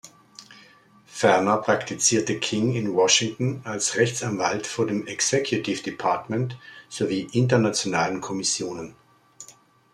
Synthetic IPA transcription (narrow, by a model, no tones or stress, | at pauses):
fɛɐnɐpʁ̥aktit͡siːɐtəkʰɪŋɪnwɔʃɪŋtn̩alsʁɛçt͡sanvaltfoːɐdeːmɛksɛkʰjʊtʰɪfd̥ipʰaɐtmɛntz̥oviːʔɪntɐnat͡sjonaːlənkʰɔmɪsjoːnən